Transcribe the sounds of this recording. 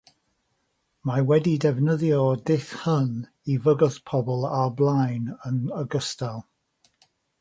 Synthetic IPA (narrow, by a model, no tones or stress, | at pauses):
mawɛdidɛvnəðjɔdɪθhən | ivəɡəθpʰɔbɔlˠablˠajnənəɡəstalˠ